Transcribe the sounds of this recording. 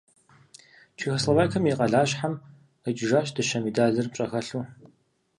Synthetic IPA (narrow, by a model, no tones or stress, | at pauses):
t͡ʃʰixɐslɐvaːjkʰɐmjiqʼɐɮaːɕħam | ət͡ʃʼɪʒaːɕdɐʃɐmidaːzɐrp̚t͡ʃʼɐxɐɬu